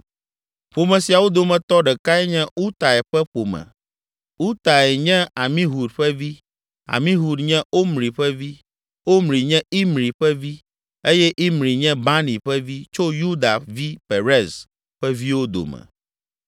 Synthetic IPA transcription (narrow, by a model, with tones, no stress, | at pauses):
ɸo˨mɛ̃˨si˨a˨wo˦d̪o˨mɛ̃˨t̪ɔ˦ɖɛ˨ka˦ɛ˦ɲɛ̃˦u˦t̪a˨ɛ˨ɸɛ˦ɸo˨mɛ̰̃˨ | u˦t̪a˨ɛ˨ɲɛ̃˦a˨mĩ˦ɦu˨dɸɛ˦vi˦ | a̰˨mĩ˦ɦu˨d̪ɲɛ̃˦o˦mɾi˨ɸɛ˦vi˦ | wo˦mɾi˨ɲɛ̃˦i˦mɾi˨ɸɛ˦vi˦ | e˦jɛ˦ʔi˦mɾi˨ɲɛ̃˦ba˦nĩ˨ɸɛ˦vi˦t͡ʃo˦ju˦d̪a˨vi˦pe˨ɾɛ˦˨z | ɸɛ˦vi˦wo˦d̪o̰˨mɛ̰̃˨